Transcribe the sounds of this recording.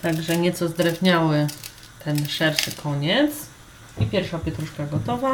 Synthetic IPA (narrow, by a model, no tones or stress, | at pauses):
t̪aɡʐɛɲɛt̪sɔzd̪ɾɛvɲawɘ | t̪ɛnʂɛɾʂɘkʰɔɲɛt̪s | ipʲjɛɾfʂapʲjɛt̪ɾuʂkaɡɔt̪ɔva